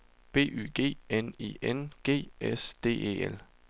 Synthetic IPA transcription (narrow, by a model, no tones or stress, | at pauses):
b̥e̝̰ːʔy̰ːɡ̥e̝̰ːenḭːʔenɡ̥e̝̰ːesd̥e̝̰ːḛːel